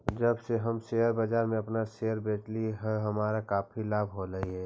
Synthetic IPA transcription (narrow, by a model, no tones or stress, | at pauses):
d͡ʒəbseɦəmseəɾbad͡ʒaːɾmẽɐpnaseːəɾbeːʈliɦɛɦɐmaːɾakaːpʰilaːbʱɦoɾəiɦɛː